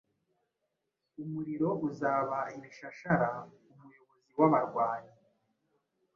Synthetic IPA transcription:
umuɾiɾo̞ʔuzaːβaimiʃaʃaɾa | umujo̞βo̞ziwaβaɾɡwaːɲi

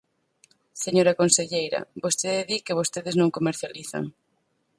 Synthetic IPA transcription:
seɲoɾakonseʎejɾɐ̰bost̪eðeðikeβ̞ost̪eðɪznõŋkomeɾθjaliθa̰ŋ

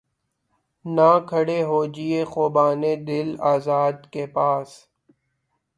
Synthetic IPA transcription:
naːkʰəɽeːɦoːd͡ʒieːxoːbaːned̪ɪlaːzaːd̪kepaːs

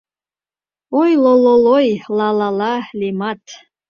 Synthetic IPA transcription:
ojlololojlalalalimat̪ʰ

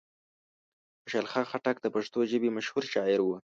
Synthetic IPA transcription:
ʊʃalxɑxaʈak̚d̪əpaʂt̪oʒəbimaʃhuɾʃɑɪɾwu

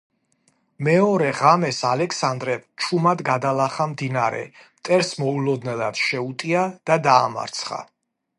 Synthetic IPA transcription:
mɛɔɾɛʁamɛsalɛksand̪ɾɛvt͡ʃʰumad̪ɡad̪alˠaχamd̪inaɾɛ̰mt̪ʼɛɾsmɔulɔd̪nɛlˠa̰d̪̥ʃɛut̪ʼiad̪̥ad̪aːma̰ɾt̪sʰχa̰

